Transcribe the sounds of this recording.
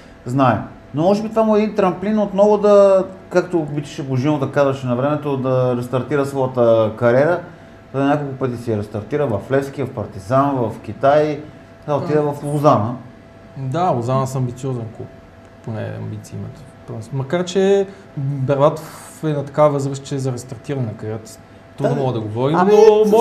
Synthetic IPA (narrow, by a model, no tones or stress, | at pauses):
znaɛ | nomɔʃt̪ɛbit̪vamuɛd̪int̪ɾɐmplinot̪nɔvʊd̪ɐkakt̪obit͡ʃɛ̥ʃɛboʒinod̪ɐkazvɐʃɛnɐvɾɛmɛt̪od̪ɐɾɛst̪ɐɾt̪iɾəsvɔjət̪əkɐɾɛɾə | ɛinʲakolˠkʊpət̪isiɾɛst̪ɐɾt̪iɾəvɐflɛfskivɐfpɐɾt̪izanvɐfk̟it̪aj̪ | kaot̪id̪əvɐfozanə | d̪aozanəsɐmbit̪siɔzɛnkṵp | ponɛ̰ɐ̰mbit̪siḭmɛ̰t̪o̥ | pɾosmɐkaɾt͡ʃɛ | bɛɾlˠat̪of | ɛnɐt̪ɐ̥kavvəzɾəst͡ʃɛːzɐɾɛst̪ɐɾt̪iɾɐnnɐkɐɾʲɛɾət̪ | t̪ɾud̪nomɔɡəd̪ɐɡovɔɾinom